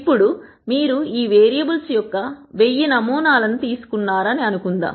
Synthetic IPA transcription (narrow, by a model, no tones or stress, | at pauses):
pːuɽu | miːɾuiːʋeːɾijɐbulsujɔkːɐʋe̞jːinɐmuːnaːlɐnut̪iːsu̥kunːaːɾɐniɐnukund̪a̰ːm